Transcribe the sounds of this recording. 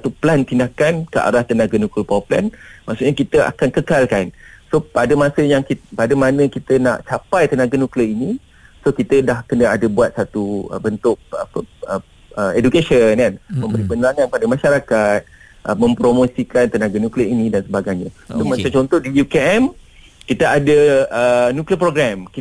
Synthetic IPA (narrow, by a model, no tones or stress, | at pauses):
sat̪uplant̪indakankəʔa̰ɾaht̪ənaɡanukləpawapla̰nmaʔsuʔɲakit̪əʔa̰kankəkalkansopadəmãsəjaŋkipadəmanə̃kit̪əna̰ʔt͡ʃapajt̪ənaɡanukləini | sokit̪ədahkənəadəbuat̪̚sat̪uə̰bənt̪ʊk̚a̰pəə | əedukesənkanmə̃mbəɾipənlaŋanpadəmaʃaɾakat̪̚ | ʔəmə̃mpɾomõsikant̪ənaɡanukləinĩdansəbaɡajɲãomat͡ʃat͡ʃɔnt̪ɔhdijukeɛm | kit̪əadəənukliəpɾoɡɾamki